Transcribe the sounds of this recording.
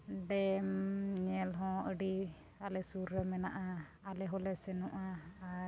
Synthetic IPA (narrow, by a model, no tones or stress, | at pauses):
ɖɛmɲɛlɦɔ̃əɖi | alɛsuɾːəmɛnaʔa | alɛɦɔlɛsɛnuʔa